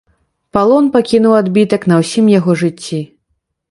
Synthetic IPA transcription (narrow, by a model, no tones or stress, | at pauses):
palˠɔnpakʲinuwad̪bʲit̪ɐknɐwsʲimjaɣɔʐɨt͡sʲːi